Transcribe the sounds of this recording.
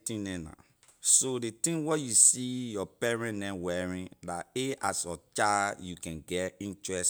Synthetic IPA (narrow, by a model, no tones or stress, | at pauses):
tĩnɛ̃nã̰ | sodetĩŋwɔjusijɔpɛɹɛ̃nnɛ̃wɛɹĩndateasɔt͡ʃajukɛ̃nɡɛtĩntɹɛs